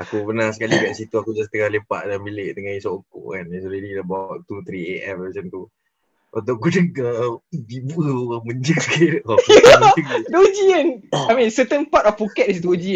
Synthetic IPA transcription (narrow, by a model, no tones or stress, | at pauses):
akubənasəkaliɡaʔsit̪uakud͡ʒast̪əŋahlepa̰ʔdaambileʔt̪əŋãisokʊ̰ʔkanisɔɾediəbaʔt̪ut̪ɾieʔɛməsənt̪u | ʔod̪oɡudəəbibuʔəməɲd͡ʒəŋskidɔd͡ʒəŋdod͡ʒiənajmĩnsət̪ənpatɔfpukɛt̪̚is̬dod͡ʒiə